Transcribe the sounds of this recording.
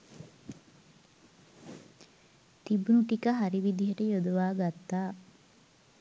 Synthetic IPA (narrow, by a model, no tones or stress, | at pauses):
t̪ibunuʈikəɦɐɾiʋid̪iɦɐʈəjod̪uʋaːɡat̪ːaː